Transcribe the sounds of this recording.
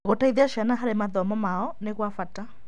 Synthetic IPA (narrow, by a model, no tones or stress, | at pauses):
ɣɔtaiðiaʃanaɦaɾɛmaðɔmamaɔnekwafata